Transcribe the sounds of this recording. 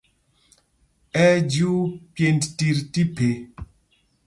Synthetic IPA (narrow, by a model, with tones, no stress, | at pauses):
ɛ˦d͡ʒu˦pje˨ntti˨ɾti˦pe˨